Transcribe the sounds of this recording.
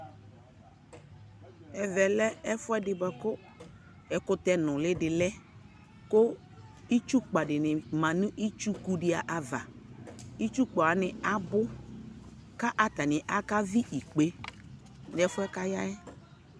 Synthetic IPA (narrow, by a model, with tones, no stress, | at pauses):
ɛ˨vɛ˨lɛ˦ɛ˦fʊ˦ɛ˦dɪ˨bɔ˨kʊ˦ | ɛ˨kʊ˦t̪ɛ˦nʊ̃˨lɪ˦dɪ˨lɛ˦ | kʊ˦ | i˦t͡ʃu˦k͡pa˨dɪ˨nɪ˨mã˨nʊ̃˦ʔi˦t͡ʃu˦ku˦dɪ˦a˨ʔa˨va˨ | i˦t͡ʃu˦k͡pɔ˨a˨˦nɪ˨a˦bʊ˦ | ka˦ʔa˨t̪a˨nɪ˨ʔa˦ka˦vi˦ʔi˨k͡pe˨ | n˨ɛ˦fʊ˦ɛ˦ka˦ja˦ɛ˦